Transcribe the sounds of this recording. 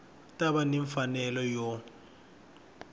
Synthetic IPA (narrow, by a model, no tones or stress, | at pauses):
tʼaɓanɛɱfanɛlɔjɔ